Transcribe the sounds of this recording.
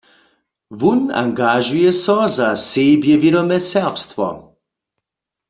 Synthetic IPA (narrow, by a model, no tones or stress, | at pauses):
vuna̰ŋɡaʒujɛsɔzaseːbjɛvjeɾɔmɛsɛʁpstwɔ̰